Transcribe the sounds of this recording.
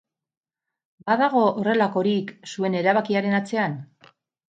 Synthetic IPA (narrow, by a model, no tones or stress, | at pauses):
baðaɣ̞o̞ore̞lako̞ɾiksue̞ne̞ɾaβakiaɾe̞nat͡se̞an